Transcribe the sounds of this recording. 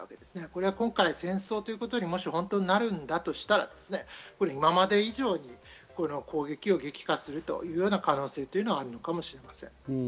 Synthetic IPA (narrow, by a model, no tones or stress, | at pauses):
aβa̰ke̞d̪̥e̞sɨ̥neko̞ɾe̞akõ̞ŋkaisẽ̞ɰ̃so̞ːt̪o̞jiɯ̟kot̪o̞ɲ̟imo̞ɕihõ̞nt̪o̞ɲinaɾɯ̟̃nd̪at̪o̞ɕi̥t̪aɾa̰d̪e̞̥sɨne̞ko̞ɾe̞imamad̪e̞iʑo̞ːɲ̟iko̞no̞kʰo̞ːɡe̞kʲio̞ɡe̞kʲi̥kasɨɾɯ̟t̪o̰jɯ̟ːjo̞ːnakano̞ːse̞ːt̪ːo̞iɯ̟no̞βaːɾɯ̟no̞kamo̞ɕiɾe̞masẽ̞̰ŋ